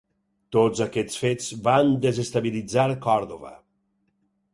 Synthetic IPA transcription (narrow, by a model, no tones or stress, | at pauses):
t̪ozakɛt͡sfed͡zband̪ezest̪aβilid͡zaɾkɔɾðoβə̰